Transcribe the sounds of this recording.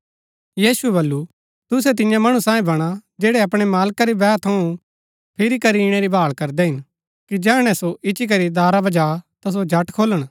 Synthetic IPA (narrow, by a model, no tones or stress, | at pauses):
jiːsuɛbɐlːu | t̪ʊs̬ɛt̪̬ɪ̃jãmɐɽ̃ũsãːĩbɐɽ̃ad͡ʒɛːɽɛɐpɽ̃emaːlkaɾibɛːt̪ʰɐũ | pʰɪɾikɐɾiɽ̃ɛɾibʱaːɭkɐɾd̪ɛɦɪn | kid͡ʒɛ̃ːɽ̃ɛ̃soʔɪt͡ʃik̬ɐɾid̪aːɾabɐd͡ʒaːt̪as̬od͡ʒʱɐʈkʰoːləɽ̃